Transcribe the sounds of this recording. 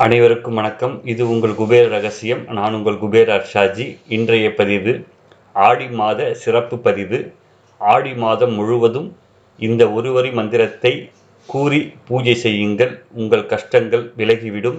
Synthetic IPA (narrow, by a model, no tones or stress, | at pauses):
ɐnɐɪʋɐɾɯkːɯmʋɐnɐkːɐmɪðɯʊŋɡɐɭɡʊbeːɾɐɾɐɣɐsɪjɐmnaːnʊŋɡɐɭɡʊbeːɾaːɾʂaːd͡ʒiɪndrɐjɐpɐðɪʋɯ | aːɽimaːðɐsɪrɐpːɯpɐðɪʋɯ | aːɽimaːðɐmːʊɻɯʋɐðɯm | ɪnd̪ɐɔɾɯʋɐɾimɐnd̪ɪɾɐt̪ːɐɪ | kuːɾipuːd͡ʒɐɪsɛjːɯŋɡɐɭʊŋɡɐɭkɐʂʈɐŋɡɐɭʋɪlɐɣiʋɪɽɯm